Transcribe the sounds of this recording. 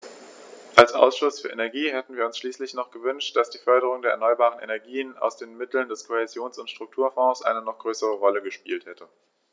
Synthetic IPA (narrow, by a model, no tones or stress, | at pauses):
ʔalsʔa̰ʊsʃʊsfyːɐʔenɛɐɡiːɦɛtn̩viːɐʊnsʃliːslɪçnɔχɡ̥əvʏnʃt̚d̥asd̥iːfœɐɾəʁ̞ʊŋdeːɐɛɐnɔʏɐbaːʁənʔḛnɛɐɡiːəna̰ʊsd̥eːnmɪtl̩ndɛskʰohɛzjoːnsʊntʃtʁ̥ʊk̚tʰuːɐfɔ̃ːsʔa̰ɪnənɔχɡ̥ʁøːsəʁəʁɔləɡəʃpḭːlthɛtʰə